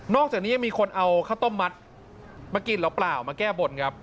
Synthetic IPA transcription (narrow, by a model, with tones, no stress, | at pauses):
nɔː˥˩k̚t͡ɕaː˨˩niː˦˥ja˧ŋmiː˧kʰo˧nʔa˧wkʰaː˥˩wt̪o˥˩mːa˦˥t̪̚ | maː˧ki˨˩lɛ˦˥wplaː˨˩wmaː˧kɛː˥˩bo˧nkʰa˦˥p̚